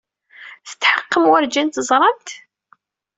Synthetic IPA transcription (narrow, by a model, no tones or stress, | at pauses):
θə̥t̪ːħəqːəmwəɾd͡ʒænt̪əzˤɾˤɑnt̪